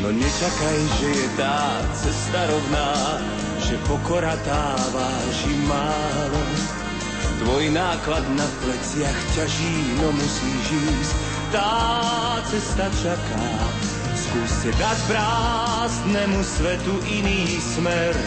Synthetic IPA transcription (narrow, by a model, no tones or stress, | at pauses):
nɔɲɛt͡ʃakajʒɛjɛt̪aː | t͡sɛst̪aɾɔʊnaː | ʒɛpɔkɔɾat̪aːʋaː | ʒimaː | lɔ | t̪ʋɔjnaːklad̪naplɛt͡sɪaxcaʒiːnɔmusiːʒiːsc | t̪aːt͡sɛst̪at͡ʃaka̰ː | skuːstɛd̪acpɾaː | znɛmusʋɛt̪uʔiniː | smɛɾ